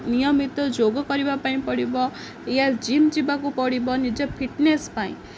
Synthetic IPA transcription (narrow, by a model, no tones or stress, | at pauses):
nijʌmit̪ʌd͡zoɡʌkʌɾibapaĩpʌɽibʌ | jad͡zimd͡ʒibakupʌɽibʌnid͡zepʰiʈnespaĩ